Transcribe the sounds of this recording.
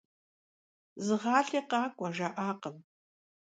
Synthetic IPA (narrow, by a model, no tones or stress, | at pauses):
zɨʁɑːɬeːqɑːkʷʼɐʒaʔaːqəm